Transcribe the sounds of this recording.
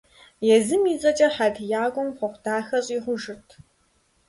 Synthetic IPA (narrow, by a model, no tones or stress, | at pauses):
jɛzɨmiːzʼɐt͡ʃʼɐħadʰjaːɡʷʊmpʰʷɔχʷdaːxɐɕʼiːʁʷʊʒɪtʰ